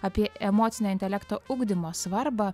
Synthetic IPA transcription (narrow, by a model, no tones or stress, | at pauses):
ɐpʲiɛɛmoːt̪sʲɪnʲoːɪnʲt̪ʲɛlʲɛkt̪oːʊɡd̪ʲɪmoːsʋɐɾbɑ